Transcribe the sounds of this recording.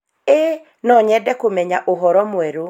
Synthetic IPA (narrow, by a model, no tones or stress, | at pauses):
e | nɔɲɛdɛkomɛɲaʔoɦɔɾɔmwɛɾo